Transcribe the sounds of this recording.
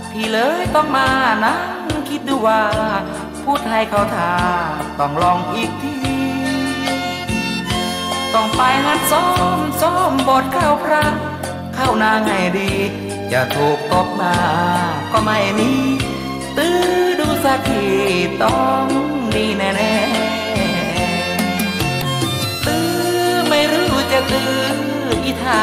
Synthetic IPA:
t̪ʰiː˧˩lɤː˧˦jt̪ɔː˧˩ŋ̚maː˧naː˧˥ŋkʰi˧t̪̚duː˧˩waː˧ | pʰuː˧˩t̪̚ha˧˩jkʰa˧˩wt̪ʰaː˧˩t̪ɔ˧˩ŋlɔː˧˩ŋʔiː˧˩k̚t̪ʰiː˧ | t̪ɔ˧˩ŋfaː˧jɦa˧˥t̪̚sɔː˧˥˩msɔː˧˩mboː˨˩t̪̚kʰa˧˩wpʰɾa˧˥ | kʰa˧˩wnaː˧ŋha˧˨˩jdiː˧˩ | t͡ɕa˧˩t̪ʰoː˨˩k̚t̪ɔ˧˩p̚maː˧kʰɔ˧˩ma˧˩jmiː˧˥˨ | t̪ɯː˧duː˧sa˧˥k̚t̪ʰiː˧˩t̪ɔ˧˩ŋdiː˧˩nɛː˧˩nɛː˧˩ɛ˧ | nɛː˧˩ | t̪ɯː˧˦ | ma˧˩jɾuː˧˩t͡ɕa˧˩t̪ɯː˧ | ʔi˧˩t̪ʰaː˧

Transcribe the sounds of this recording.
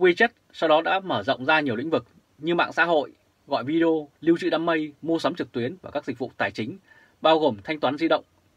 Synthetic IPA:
kwi˧t͡ɕə˦˥t̚sa˧wɗɔ˨˦ɗa̰ː˧˥məː˧˩zə̰˧˨wŋ͡mzaː˧ɲi˨˩l̰ŋvɨ˨˩k̚ | ɲɨ˧ma̰ː˧˨ŋsa̰ː˧˥ɦo̰˧˨j | ɣɔ̰˧˨jvi˧i˧o˧li˧wt͡ɕɨ̰˧˨ɗaː˧mːə˧jmo˧sə˨˦mt͡ɕɨ˨˩k̚t̪wi˨˦ənvaː˨˩kaː˦˥k̚zi˨˩k̚vṵ˧˨t̪aː˨˩jt͡ɕï˨˦ŋ̟ | ɓaː˧wɣo˨˩mt̪ʰa˧jŋ̟t̪waː˨˦nzi˧ɗə̰˧˨wŋ͡m

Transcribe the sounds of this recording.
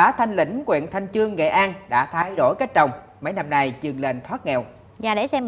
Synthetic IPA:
aː˨˦t̪ʰa˧jŋ̟lḭ̈˧˩ŋ̟kwḭ˧˨nt̪ʰa˧jŋ̟t͡ɕɨ˧əŋːḛ˧˨ʔaː˧nɗa̰ː˧˥t̪ʰaː˧jɗo˧˩jka˦˥t̚t͡ɕə˨˩wŋ͡m | mə˨˦jna˧mna˧˩jt͡ɕɨ˨˧˩əŋle˨˩nt̪ʰwaː˦˥t̚ŋɛ˧˨w | za̰ː˧˩ɗe˧˩sɛ˧m

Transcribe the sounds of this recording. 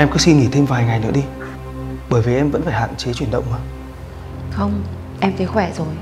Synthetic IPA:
ʔɛ˧mkɨ˨˦si˧nŋi˧˩t̪ʰe˧mvaː˨˩jŋa˨˩jnɨ̰˧˥əɗi˧ | ɓəː˧˩jvi˨˩ʔɛ˧mvə̰˧˥nfaː˧˩jha̰ː˧˨nt͡ɕe˨˦t͡ɕwi˧˩ənɗə̰˧˨wŋ͡mməː˧ | xə˧wŋ͡m | ʔɛ˧mfi˨˦xwɛ˧˩zo˨˩j

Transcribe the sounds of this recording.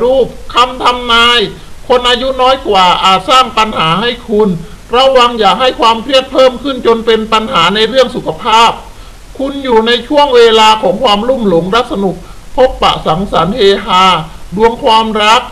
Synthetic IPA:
ɾuː˥˩p̚kʰa˧mt̪ʰa˧mnaː˧j | kʰo˧nʔaː˧ju˦˥nɔː˦˥jkwaː˨˩ʔaː˨˩t̪̚saː˥˩ŋpa˧nhaː˩˦ha˥˩jkʰu˧n | ɾa˧wːa˧ŋjaː˨˩k̚ɦa˥˩jkʰwaː˧mpʰɾi˥˩ət̪̚pʰɤː˥˩mkʰɯ˥˩nt͡ɕo˧npe˧npa˧nɦaː˩˦na˧jɾɯ˥˩əŋsu˨˩kʰːa˧pʰaː˥˩p̚ | kʰu˧njuː˨˩na˧jt͡ɕʰu˥˩əŋweː˧laː˧kʰɔː˩˦ŋkʰwaː˧mlu˥˩mlo˩˦ŋɾa˦˥k̚sa˧nu˨˩k̚pʰo˦˥pːa̰˨˩ʔsa˩˦ŋsa˩˦nheː˧ɦaː˧du˧əŋkʰwaː˧mɾa˦˥k̚

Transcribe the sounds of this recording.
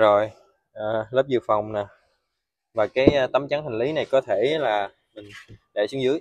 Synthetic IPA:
zo˨˩j | ʔəː˨˩ləː˦˥p̚zɨ˨əfa˨˩wŋ͡mnaː˨˩ | vaː˨˩kaː˨˦jt̪ə˨˦mt͡ɕa˨˦nt̪ʰa˨˩ŋ̟li˨˦na˨˩jkɔ˨˦t̪ʰe˧˩laː˨˩ | mï˨˩ŋ̟ɗa̰˧˨sɨ˨˦əŋzɨ̰˧˦əj

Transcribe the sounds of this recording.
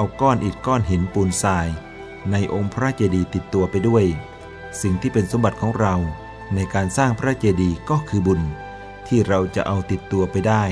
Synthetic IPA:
ʔa˧wkɔː˥˩nʔi˨˩t̪̚kɔː˥˩nɦe˩˦npuː˧nsaː˧j | na˧jʔo˧ŋpʰɾa˦˥t͡ɕeː˧diː˧t̪i˨˩t̪ːu˧ɐpa˧jdu˥˩əj | si˨˩ŋt̪ʰiː˥˩pe˧nso˨˦mba˨˩t̪̚kʰɔː˩˦ŋɾa˧w | na˧jkaː˧nsaː˥˩ŋpʰɾa˦˥t͡ɕeː˧diː˧kɔː˥˩kʰɯː˧bu˧n | t̪ʰiː˥˩ɾa˧wt͡ɕa̰˨˩ʔa˧wt̪i˨˩t̪ːu˧ɐpa˧jdaː˥˩j

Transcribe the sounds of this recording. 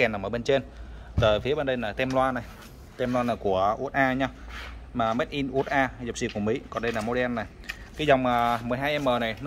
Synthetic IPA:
ɛ˨˩nːa˨˩ʔəː˧˩ɓe˧nt͡ɕe˧n | t̪əː˨˩fi˨˦əɓe˧nɗə˧jlaː˨˩t̪ɛ˧mlwaː˧nːa˨˩j | t̪ɛ˧mlwaː˧nlaː˨˩ku˧˩əʔu˦˥ət̚ʔaː˧ɲaː˧maː˨˩meː˦˥t̚ʔi˧nʔu˧˦˥ət̚ʔaː˧zə˨˩p̚si˧˨ku˧˩əmḭ˨˦kɔ˨˩nɗə˧jlaː˨˩mo˧ɗɛ˧nːa˨˩j | kaː˨˦jzɔ˨˩wŋ͡maː˨˩mɨ˨˩əjɦaː˧jʔɛ˧mːəː˨˩na˨˩jn˦

